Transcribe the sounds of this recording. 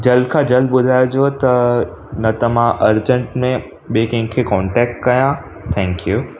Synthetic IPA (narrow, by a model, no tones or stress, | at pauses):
d͡ʑɐld̪̚kʰãd͡ʑɐld̪̚ɓʊd̪ʱaːjod͡ʑot̪ɐ | nɐt̪ɐmãʔɐɾd͡ʑə̃ɳʈmẽ | ɓekɐ̃ɪ̃ɡkʰekɔːɳʈɛːk̚ʈ̚kɐjã | t̪ʰɛ̃ːŋkjuː